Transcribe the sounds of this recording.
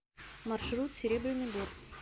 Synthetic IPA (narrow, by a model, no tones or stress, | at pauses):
mɐrʂɾut̪sʲɪɾʲebɾʲɪnɨjbor